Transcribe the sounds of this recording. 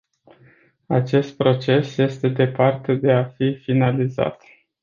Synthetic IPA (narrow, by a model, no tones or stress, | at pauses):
at͡ʃe̞st̪̚pɾo̞t͡ʃe̞sje̞st̪e̞d̪e̞part̪ed̪e̞afifinaliza̰t̪